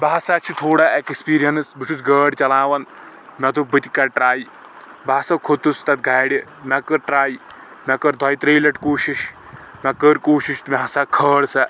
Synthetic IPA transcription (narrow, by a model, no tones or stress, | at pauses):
baasaːt͡ʃʰit̪ʰoːɽaekspiːɾijɐnɨsbɨt͡ʃʰusɡəːɽt͡ʃɐlaːʋɐn | mɐt̪ubɨt̪ikɐʈɾaːj | baːsɐkʰot̪ust̪ɐt̪̚ɡʱaːɽi | mʲɐkəɾʈɾaːj | mʲɐkɐɾd̪ʱɔjt̪ɾeːlɐʈkoːʃiʃ | mʲɐkəɾkoːʃiʃt̪umaɦɐsakʰəːɽsɐ